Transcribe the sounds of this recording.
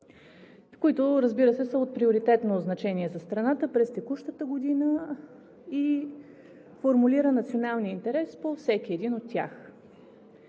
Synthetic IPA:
koit̪ʊɾəzbiɾəsɛsəot̪̚pɾioɾit̪ɛt̪noznɐt͡ʃɛniɛzɐst̪ɾɐnat̪əpɾɛst̪ɛkuʃt̪ət̪əɡod̪inə | i | foɾmuliɾənɐt̪sionalˠniəint̪ɛɾɛspofsɛkiɛd̪inot̪ːʲja̰x

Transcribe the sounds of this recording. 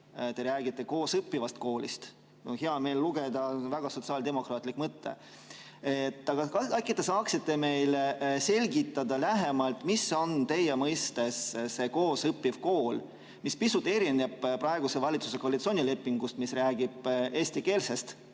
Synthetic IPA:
t̪e̞ɾæːɡit̪ːe̞ko̞ːsɤpːivɑst̪ko̞ːlḭst̪ | oheɑme̞ːlːuɡ̥e̞d̪̥ɑvæɡ̥ɑso̞t̪siɑːld̪emo̞krɑːt̪ˑlikːˑmɤt̪ːḛ | et̪ːˑɑɡ̥ɑkɑɑkːit̪ːe̞sɑːksit̪ːˑe̞me̞jlse̞lʲɡit̪ːˑɑd̪ɑlæɦe̞mɑlt̪ˑmiso̞nt̪e̞jemɤjst̪e̞sse̞ko̞ːsɤpːivko̞ːl | mispisut̪ːˑe̞ɾineb̥pːrɑe̞ɡ̥use̞vɑlʲit̪su̥se̞ko̞ɑlit̪so̞ːnʲile̞pːiŋɡust̪misræːɡ̥ib̥e̞ːsʲt̪ike̞ːlse̞st̪

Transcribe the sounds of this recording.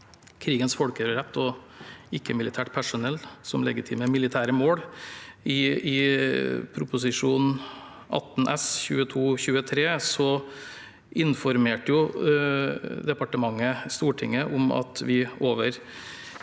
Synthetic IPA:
kʰɾiːɡənsfɔɽkəɾɾɛt̪ːɔ | ɪkːəmɪlɪt̪ʰæːʈpʰæʂʊnɛlːsɔmlɛɡɪt̪ʰḭːməmɪlɪt̪ʰæːɾəmoːɽ | ɪɪ | pʰɾʊpʊs̬ɪʂuːn | ʔɑ̰t̪ːnʔɛ̰sçʉ̰ːət̪ʰuːçʉːət̪ʰɾeːsɔ | ɪnfɔɾmeːʈəjʊ | d̪ɛpɑʈəmɑŋːəst̪uːʈʰɪ̰ŋːəʔʊmɑ̰t̪ʋɪoːʋəɾ

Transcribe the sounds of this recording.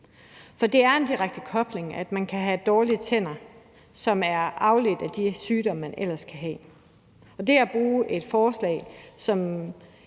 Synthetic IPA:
fɒ̽d̥e̝æɐe̝ndiʁaɡ̥̚d̥əkʰɒ̽b̥le̝ŋæd̥mænkʰæɦæd̥ɒːliət͡sʰen̰ɐ | sɒ̽mæɐʔɑ̈ʊle̝d̥æd̥isyːd̥ɒ̽m̰mænʔel̰ɐskʰæɦɛ̰ː | ɒ̽d̥e̝æb̥ʁuːʔe̝d̥fɒːslɛ̰ɪsɒ̽m

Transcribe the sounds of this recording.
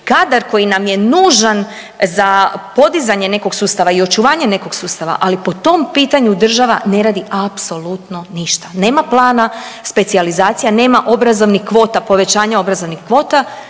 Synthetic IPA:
kaːd̪aɾko̞jinamje̞nuːʒan | zapo̞d̪izaɲe̞ne̞ko̞ɡsuːst̪aʋaio̞t͡ʃuʋaːɲe̞ne̞ko̞ɡsuːst̪aʋa̰ʔalipo̞t̪o̞mpiːt̪aɲud̪r̩ʒaʋane̞ɾaːd̪iʔapso̞lut̪no̞niʃt̪ane̞ːmaplˠaːnaspe̞t̪sializaːt̪sijane̞ːmaʔo̞bɾazo̞ʋnixkʋo̞ːt̪apo̞ʋe̞t͡ɕaːɲao̞bɾazo̞ʋnixkʋo̞ːt̪a

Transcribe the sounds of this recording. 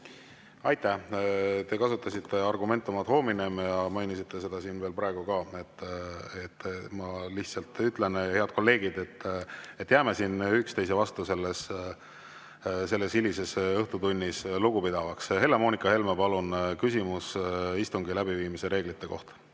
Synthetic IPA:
ɑjt̪ːˑæht̪e̞kɑsut̪ˑːɑsit̪ːe̞ɑrɡume̞nt̪ːˑumɑt̪ho̞ːmine̞mjɑmɑjnʲisit̪ːe̞se̞d̪̥ɑsiːnve̞ːlpɾɑe̞ɡ̥ukɑe̞t̪ːet̪ːmɑliht̪sɑlt̪ːˑyt̪ˑle̞ne̞ɑd̪̥̚ko̞lːe̞ːɡid̪̥e̞t̪ːe̞t̪ːˑjæːme̞siːnykst̪e̞js̬e̞vɑst̪use̞lːes | se̞lːe̞silise̞sɤht̪ut̪unʲːisluɡupid̪̥ɑvɑkshe̞lːemo̞ːnikˑɑhe̞lmepɑlunkysʲimusist̪uŋɡilæbiviːmise̞ɾe̞ːɡ̥lit̪ːˑe̞ko̞̰ht̪ɑ̥

